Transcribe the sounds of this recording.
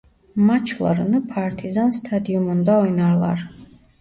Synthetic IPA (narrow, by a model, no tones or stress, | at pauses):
mat͡ʃʰlˠa̰ɾnɨpʰaɾt̪ʰizanst̪ʰad̪iumɔnd̪aɔjnaɾlˠa̰ɾ